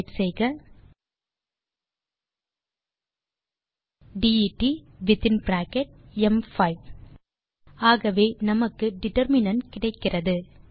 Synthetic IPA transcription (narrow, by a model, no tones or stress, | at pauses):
ʈsɛjɣɐ | ɖiiʈːiʋɪt̪ːɪnbɾaːkɛʈ̚ɛmfɐɪʋ | aːɣɐʋeːnɐmɐkːɯɖɪʈɐɾmɪnɐnkɪɽɐɪkːɪrɐðɯ